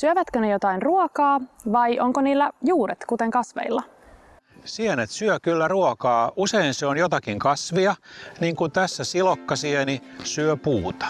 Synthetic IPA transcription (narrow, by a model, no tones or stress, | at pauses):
syøʋæt̪kønejot̪ɑinruokɑːʋɑjʔoŋkoniːlːæjuːɾet̪kut̪e̞ŋkɑsʋḛilːɑ | sienet̪syøkylːæruokɑːuseinseonjot̪ɑkiŋkɑsʋiɑniːŋkunt̪æsːæsilokːɑsieni | syøpuːt̪ɑ̥